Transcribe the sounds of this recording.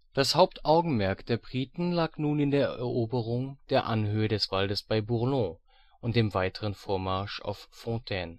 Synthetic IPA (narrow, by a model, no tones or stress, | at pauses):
d̥ashaʊp̚tʔaʊɡŋ̩mɛɐkd̥eːɐbʁiːtn̩laːknuːnɪndeːɐɛʔɛɐʔoːbəʁʊŋd̥eːɐʔanhøədɛsv̥aldəsb̥aɪbuʁlɔ̃ | ʔʊnt̚d̥eːmvaɪtʰəʁ̞ənfoːɐmaɐʃa̰ʊfːɔ̃tʰɛːn